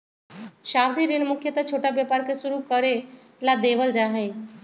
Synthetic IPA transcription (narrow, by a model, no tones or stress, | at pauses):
ʃaːʋd̪ʱiɾɪnmʊkʰjət̪at͡ʃʰoːʈabjəpaːɾkesʊɾukəɾe | lad̪eːʋəld͡ʒaːɦe